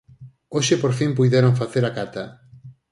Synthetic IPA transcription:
oʃɪpoɾfimp̬ujðeɾoŋfaθeɾakat̪ɐ

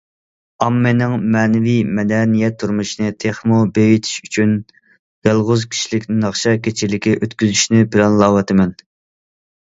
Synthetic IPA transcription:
ɑmːenɪŋmɛːnɪvijmɛd̪ɛnijɛt̪ʰːuɾmuʃinɨt̪ʰeχmubejit̪ʰi̥ʃyt͡ʃʰyn | jɑlˠʁʊzkʲʰi̥ʃlɪkʲnɪnɑχʃɑkʲet͡ʃʰilɪkʲʰiʔøt̪kʲyzyʃnɪbɪlɛnlˠɑːwɑt̪ʰɪmɛn

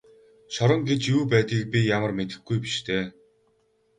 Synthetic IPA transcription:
ʃɔɾə̆ŋɡet͡ɕjuːpæːt̪ɡiːk̚pʲijamə̆rmet̪ɘ̆xɡujpiʃt̪ʰeː

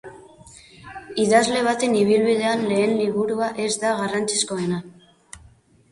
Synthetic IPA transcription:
iðazle̞β̞at̪e̞niβ̞ilβið̞e̞anle̞ːnliβuɾuaʔe̞zd̪aɣarant͡si̥sko̞e̞na

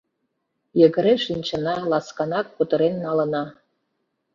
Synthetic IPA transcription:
jə̆ɣə̆ɾeʃinʲt͡ɕə̆nɑlɑskɑnɑk̚ːut̪ɤ̆ɾenːɑlə̆nɑ

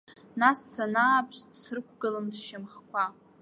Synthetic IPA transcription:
nassanaːpʰʃtsrɨkʷʰɡɨlamsʃamχkʷa

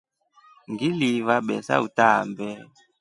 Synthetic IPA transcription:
ŋɡilivaɓɛsa̰utambɛ

